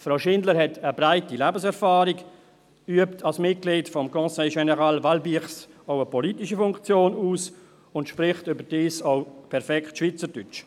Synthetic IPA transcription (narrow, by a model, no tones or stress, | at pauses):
fɾaʊʃɪndləɾhɛtəbɾaɪtilæːbəsɛɾfaːɾik | yəptʰalsmɪt̚ɡ̥liːtfɔmkɔ̃ːsɛɪʃɛnɛʁalvalbiːχsoʊəpʰɔlitiʃifʊŋkt͡sjoːnuːs | ʊntʃpɾɪχtʏbəd̥iːsoʊpʰɛɾfɛktʃvit͡səd̥yt͡ʃ